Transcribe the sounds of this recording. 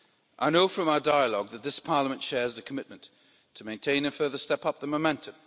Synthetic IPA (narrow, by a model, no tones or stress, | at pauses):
ʔaɪnoʊfɹə̃maʊədaɪəlɔɡ̚ðət̪̚ðɪspʰɑɹləmə̃ntʃɛːzðəkʰəmɪʔ̚mə̃n | tʰəmẽɪ̃ntʰẽɪ̃nɨ̃fɜ˞ðəstɛpʌp̚ðəmomɛ̃ntʰə̃m